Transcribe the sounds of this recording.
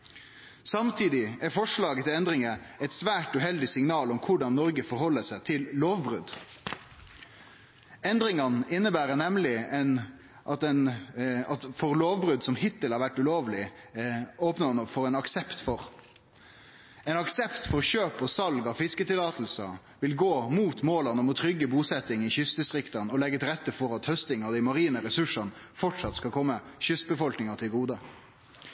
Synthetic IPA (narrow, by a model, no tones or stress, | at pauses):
sɑmt̪ʰiːd̪ɪæfɔʂɭɑːɡət̪ʰɪlɛnd̪ɾɪŋəɛɪt̪sʋæːʈʉɦɛld̪ɪsɪŋnɑːlɔmkʰʊɖɑnːɔɾɡəfɔɾhɔlːəsæɪt̪ʰɪlloːʋbɾʉd̪ | ɛnd̪ɾɪŋɑnɪnːəbæːɾənɛmlɪɛn | ʔɑt̪ɛnɑt̪fɔɾloːʋbɾʉd̪sɔmhɪt̪əlhɑːɾʋæʈːʉloːʋlɪ | oːpnənəfɔɾɛɪnɑksɛpt̪fɔɾ | ɛɪnɑksɛpt̪fɔʁɕøːpɔsɑlɡɑʋfɪskət̪ɪlɑːt̪l̩sə | ʋɪlɡoːmuːt̪moːlənɔmɔt̪ʰɾʏɡːəbuːsɛt̪ːɪŋɪçʏst̪əsʁɪkt̪ɑnɔlɛɡːət̪ɪɾɛt̪ːəfɔɾɑt̪hœst̪ɪŋɑd̪ɪmɑɾiːnəɾɛsʉʂɑn | fɔʈʂɑt̪skɑkʰɔmːəɕʏst̪̚bəfɔlknɪŋət̪ʰɪlɡuːd̪ə